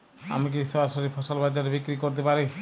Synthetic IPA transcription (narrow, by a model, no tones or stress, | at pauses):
a̰mik̬isɔaɾsɔɾipʰɔsɔlbad͡ʒaɾebikɾikɔɾt̪̬ɛpaɾi